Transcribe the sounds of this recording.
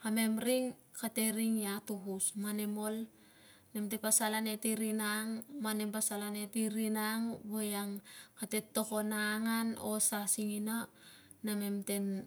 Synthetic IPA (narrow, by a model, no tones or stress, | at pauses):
hame̞mɾiŋ | kate̞ɾiŋjatuɦusmane̞mo̞l | ne̞mtepasalane̞tiɾinaŋmane̞mpasalane̞tiɾinaŋbojaŋkate̞tːo̞ko̞naŋano̞sasiŋina | name̞mte̞n